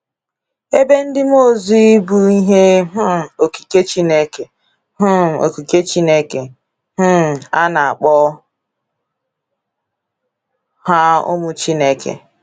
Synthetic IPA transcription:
e˦be˦n̩˦dɪ˦m˦o˦˨zi˦i˦bu˦i˦ɦe˦ɦ̩˦˨o˨ki̥˨ke˦t͡ʃi˦ne˦ke˨ | ɦ̩˦˨o̰˨ki˨ke˦t͡ʃi˦ne˦ke˨ | ɦ̩˦˨a˦na˨a̰˨k͡pɔ˦ | ha˦o̰˦mʊ˦t͡ʃi˦ne˦kḛ˨

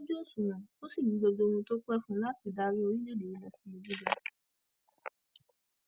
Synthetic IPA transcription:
d͡ʒo˦˨sũ˨nã˨o˦si˦˨ɲĩ˨˦ɡ͡bo˧d͡ʒo˧w̃ũ˧to˦k͡pɛ˦fũ˦la˦ti˨da˧ɾi˦o˧ɾĩ˦d͡ʒo˦de˨i˨lɛ˨fĩ˧i˧d͡ʒu˦dɛ˦

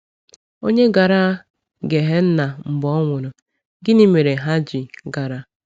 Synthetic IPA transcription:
o˦ɲe˦ɡa˨ɾa˦ | ɡe˨ɦe˦n̩˦na˨m̩˨bɔ˦ŋʷʊ˨ɾʊ˨ | ɡɪ˦ni˦me˨ɾe˨ɦa˦d͡ʒɪ˨ɡa˨ɾa˨

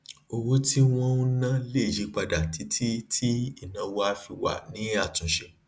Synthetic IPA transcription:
o˧wo˦tʰi˦w̃ɔ̃˦ũ˦nã˦le˦˨ji˨˦k͡pa˧da˨tʰi˨˦tʰi˦tʰi˦i˦˨nã˧wo˧a˧˦fi˧wa̰˨nĩ˨˦a˦˨tũ˨ʃe˧

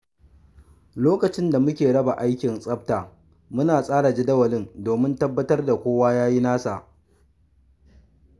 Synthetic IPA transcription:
loː˦kɐ˨t͡ʃɪ˦nda˨mʊ˦kʲeː˨ɽɐ˦ba˨ʔa˦jkʲɪ˨nsʼɐ˦p̚taː˨ | mʊ˦naː˨sʼaː˦ɽa˨d͡ʒɪ˦dɐ˦wɐ˨lɪ˦ndoː˨mɪ˦ntɐ˦bːɐ˦tɐ˦rda˨kʷoː˦waː˦jaː˦ji˦naː˦sa˨ʔ

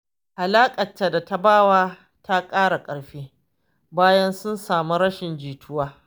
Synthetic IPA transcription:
ʔa˨laː˦kʼɐ˨tːa˨da˨ta˦baː˦˨waː˦ | tʰa˦kʼaː˦ɽa˨kʼɐ˨ɽɸeː˦ | baː˦jɐ˦nsʊ˦nsaː˨mu˦ɾɐ˦ʃɪ˨nd͡ʒiː˨tʰʊ˦waː˦

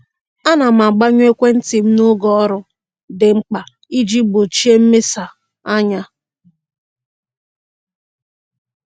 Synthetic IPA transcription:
a˦na˨m̩a˨ɡ͡ba˦ɲ˦e˦kʷe˦n̩˦ti˨m̩˦nʊ˦ɡɔ˦ɾʊ˦ | dɪ˨ŋ͡m̩˦k͡pa˨ | i˦d͡ʒi˦bo˨t͡ʃi˦e˦m̩˦me˦sa˨ | a˦ɲa˦

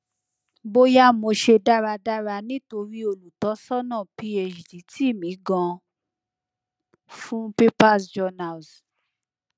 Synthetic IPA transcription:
bo˦ja˦mo˧ʃe˧da˦ɾa˧da˦ɾa˧nĩ˨˦to˧ɾi˦o˧lu˨tɔ˨˦sɔ˦nã˦˨pi˧e˧d͡ʒdi˨˦tʰi˦˨mĩ˨˦ɡã˧ | fũ˦pe˦pa˦sd͡ʒɔ˧na˨ls

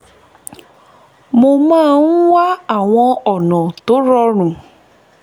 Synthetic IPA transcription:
mo˧mãː˦˨n̩˦wa˦a˦˨w̃ɔ̃˧ɔ˨nã˨to˨˦ɾɔ˧ɾ̃ũ˨

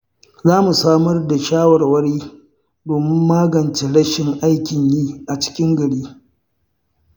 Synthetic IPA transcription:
zaː˦mu˨saː˦mɐ˦rda˨ʃaː˦wɐ˨rwɐ˦ɽiː˦ | doː˨mɪ˦mːaː˦ɡɐ˨nt͡ʃe˨ɽɐ˦ʃɪ˨ŋʔa˦jkʲɪ˨ɲjiː˦ʔa˨t͡ʃɪ̥˦kʲɪ˦ŋɡɐ˨ɽiː˦

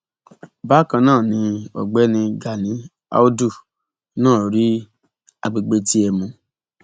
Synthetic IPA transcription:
ba˦˨kã˧nãː˦˨nĩ˧ɔ̰˨ɡ͡bɛ˦nĩ˧ɡa˨nĩ˨˦ | a̰˦o˦du˦˨˦ | nãː˦˨ɾi˦ | a̰˨ɡ͡be˧ɡ͡be˧ti˦ɛ˧mũ˧

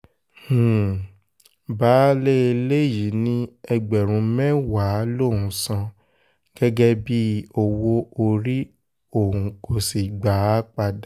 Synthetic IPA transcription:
h̩˨ | ba˨˦le˦e˧le˦ji˨˦nĩ˦ɛ˧ɡ͡bɛ˨ɾ̃ũ˧˦mɛ̃˦wa˨˦lo˦˨ũ˨˧sã˧ | ɡ̥ɛ˦ɡɛ˦bi˦o˧wo˧o˧ɾi˦ | o˦˨ũ˨ko˨si˨ɡ͡ba˨˦k͡pa˧d

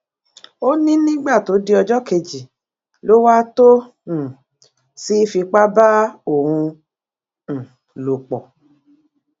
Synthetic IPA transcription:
o˦nĩ˦nĩ˦ɡ͡ba˦˨to˨˦di˦ɔ˧d͡ʒɔ˦ke˧d͡ʒi˨ | lo˦wa˦tõ˦˨ | si˦fi˧k͡pa˦ba˦o˦˨ɾ̃ũ˧˨ | lo˨k͡pɔ˨

